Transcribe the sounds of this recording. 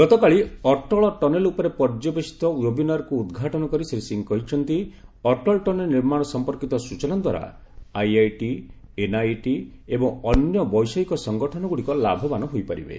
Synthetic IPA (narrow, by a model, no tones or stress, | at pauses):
ɡɔt̪ɔkaɭiɔʈɔɭɔʈɔnelupɔɾepɔɾd͡ʒɔbesi̥t̪ɔjobinaɾɔkuːd̪ɡʱaʈɔnɔkɔɾiseɾisiŋkɔɦit͡ʃʰɔnt̪iɔʈɔlʈɔnelniɾmaɽ̃ɔsɔmpɔɾkit̪ɔsut͡ʃɔnɔnd̪ʱwa̰ɾa̰ | ajajʈienajʈiebɔŋɔnjɔbɔjsɔikɔsɔŋɡɔʈʰɔnɔɡuɽikɔla̰bʱɔbanɔɦojpaɾḭbḛ